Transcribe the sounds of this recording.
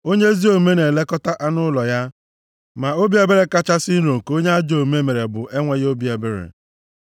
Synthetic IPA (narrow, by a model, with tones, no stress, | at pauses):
o˦ɲe˦zi˦o˨me˦ne˨le˦kɔ˦ta˦ʔa˦nʊ˦lɔ˨ja˦ | ma˨o˦bi˦e˨be˦ɾe˦ka˦t͡ʃa˦si˦n̩˦ɾo˨ŋ̩˨ko˦ɲe˦a˦d͡ʒo˦˨me˦me˨ɾe˨bʊ˨ʔe˦ŋʷe˦ɣo˦bi˨˦e˨be˦ɾḛ˨